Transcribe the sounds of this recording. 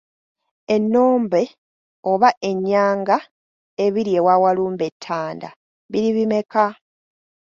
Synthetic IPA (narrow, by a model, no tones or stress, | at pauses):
e̞nːo̞ːmbe̞ | oβaʔe̞ɲːaːŋɡa | e̞βiɾje̞waːwaluːmbe̞tʰːaːnda̰ | βiɾiβime̞ka